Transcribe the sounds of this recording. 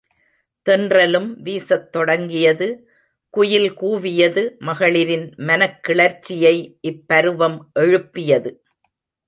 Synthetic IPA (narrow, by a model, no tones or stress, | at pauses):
t̪ɛndrɐlɯmʋiːsɐt̪ːɔɽɐŋɡɪjɐðɯ | kʊjɪlkuːʋɪjɐðɯmɐɣɐɭɪɾɪnmɐnɐkːɪɭɐɾt͡ʃːɪjɐɪʔɪpːɐɾɯʋɐmʔɛɻɯpːɪjɐðɯ